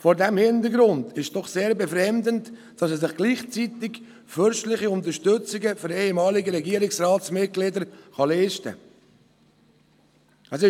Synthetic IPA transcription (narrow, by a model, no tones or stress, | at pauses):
foːɾdɛmhɪntəɾɡɾʊndʰɪʃd̥ɔχseːɾbɛfɾɛmd̪ənt | d̥ɑsɛsɪχɡ̥liːχt͡sitɪk | fʏɾʃtlɪχiʊnt̪əʃtʏt͡sɪɡəfʏɾeːhɛmɑːlɪɡəɾɛɡiːəɾɪksrɑːsmɪt̚ɡ̥lɪdəɾχɑleːʃtə̰ | əs̬ɪ